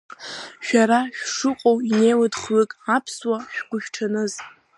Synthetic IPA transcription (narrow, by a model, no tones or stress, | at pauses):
ʃᶣaɾaʃᶣʂɨqʼowinejladχlɨkʼapʰswaʃᶣɡʷʊʃᶣʈ͡ʂʰanɨz